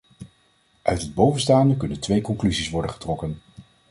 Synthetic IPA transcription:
ʔœ̰ɥtɦəd̚bowvənstaːndəkɵnəntʋejkɔŋklyzisʋɔɹdəχə̥trɔkən

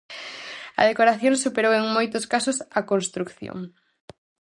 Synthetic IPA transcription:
ɐ̰ð̞ekoɾaθjõŋsupeɾoweŋmojt̪ʊskasʊsɐkonst̪ɾukθjo̰ŋ

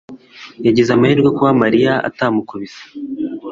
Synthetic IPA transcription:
jaɟezamahiːɾɡwakuwamaɾijaa̰taːmukuβizḁ

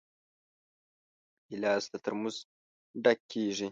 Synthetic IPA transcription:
ilɑːzt̪at̪əɾmuz | ɖakːeːʐi

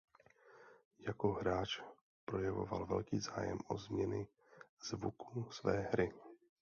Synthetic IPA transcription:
jakoɦɾaːt͡ʃ | pɾo̞jɛvo̞̰valvɛlkiːzaːjɛ̰mʔo̰zmɲɛnɪ | z̥vukusvɛːɦɾɪ

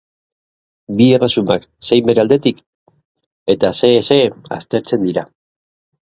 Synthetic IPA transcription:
bie̞resumakse̞jmbe̞ɾeald̪e̞t̪ik | e̞t̪ase̞ːse̞a̰st̪e̞ɾt͡se̞nd̪iɾa

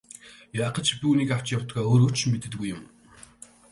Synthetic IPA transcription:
jaːqə̆t͡ɕpʲuːniːkaw̥t͡ɕjawt̪ɡaːoːɾoːt͡ɕʰmet̪ɘ̆t̪ɘ̆ɡujːʊm

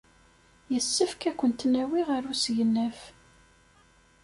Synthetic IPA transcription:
jəsːəfkækʷːənt̪næwiʁəɾusʝənːæf

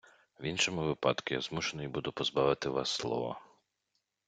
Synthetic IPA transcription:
ʋinʃɔmʊʋɪpɑ̰d̪kʊja̰zmuʃenɔjbud̪ʊpɔzbɑʋɪt̪ɪʋɑ̰sːlˠɔ̰ʋɔ̰

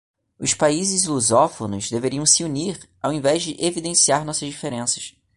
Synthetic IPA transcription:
ʊspaizɪzluzɔfonʊzd̪eveɾiɐ̃w̃sɪuniɾ | awẽvɛzd͡ʒɪʔevid̪ẽsiaɾnɔsɐzd͡ʒifeɾẽsɐ̥ʃ

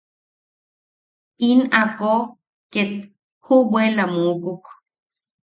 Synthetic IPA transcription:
inako | ket̪ | hubwelamukuk

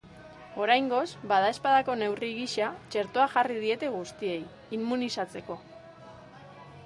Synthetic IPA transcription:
o̞ɾajŋɡo̞zbaðae̞spaðako̞ne̞wriɣiʃat͡ʃe̞ɾt̪oaʝarið̞ie̞t̪e̞ɣ̞ust̪ie̞j | imːunisat͡se̞ko̞

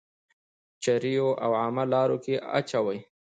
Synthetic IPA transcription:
t͡ʃaɾijoʔawʕamalɑɾokeʔa̰t͡ʃawaj

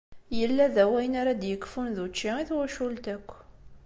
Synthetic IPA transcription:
jəlːæðæwæjənaɾad̪jəkːfunðut͡ʃːiiθwæʃult̪ækʷː

